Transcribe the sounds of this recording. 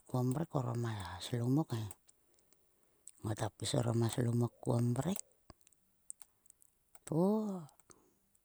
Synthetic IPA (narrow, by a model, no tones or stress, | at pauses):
kuombɾekoɾomaslomoke | ŋotapiso̰ɾomaslomokːuombɾek̚ | to